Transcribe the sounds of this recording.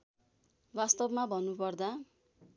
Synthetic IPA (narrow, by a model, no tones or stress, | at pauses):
bast̪ʌbmabʱʌnːupʌrd̪a